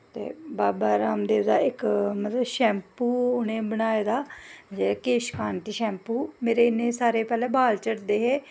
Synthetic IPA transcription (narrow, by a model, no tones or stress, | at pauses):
t̪ḛːbaːbaːɾaːmd̪eːʋd̪a̰ːɪkmət̪ləʃɛ̃ːmpuːʊnẽːbənaːeːd̪aːd͡ʒeːkeːʃkaːnt̪iːʃɛ̃ːmpuːmeːɾeːɪnẽːsaːɾeːpɛːlɛ̃ːbaːlt͡ʃəɽd̪eːɦeː